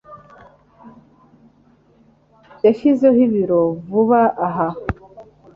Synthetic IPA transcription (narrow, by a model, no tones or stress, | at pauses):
teʃizohiβiɾovuβaʔaɦa